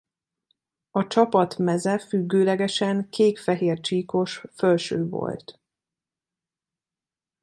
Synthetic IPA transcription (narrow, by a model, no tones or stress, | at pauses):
ɒt͡ʃɒpɒt̪mɛzɛfyɡːøːlɛɡɛʃɛŋkʰeːkfɛɦeːrt͡ʃiːko̞ʃfølʃø̰ːvo̞̰lt̪